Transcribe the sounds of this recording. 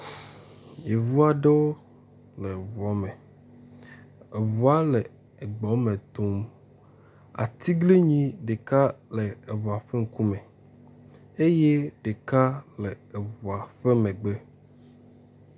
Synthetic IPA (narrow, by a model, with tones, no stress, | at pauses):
je˨vu˦a˨ɖe˦wo˦ | le˨vɔ˨˦mɛ̃˨ | e˨vu˨˦a˦le˨ | e˨ɡ͡bɔ˨˦mẽ˨t̪o˦m | a̰˨t̪i˦ɡle˦ɲĩ˦ɖe˨ka˦le˨e˨vɔ˨a˨ɸe˦ŋ̩˦ku˦mɛ̃˨ | e˦je˦ɖe˨ka˦le˨e˨vɔ˨a˨ɸe˦mɛ̃˨ɡ͡be˦